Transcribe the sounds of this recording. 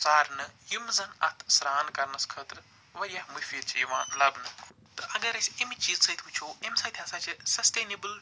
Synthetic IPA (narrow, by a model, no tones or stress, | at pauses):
t͡saːɾnɨjumzɐnɐ̰t̪ʰsɾaːnkɐɾnɐskʰəːt̪ɾ | ʋɐɾijahmufiːd̪t͡ʃjiʋaːnlɐbnɨ | t̪ɨʔɐɡɐɾɐsʲɐmit͡ʃiːzsɐt̪ʰut͡ʃʰoːemsɐt̪ʲʰjɐ̃nsɐt͡ʃsɐst̪eːnibɨl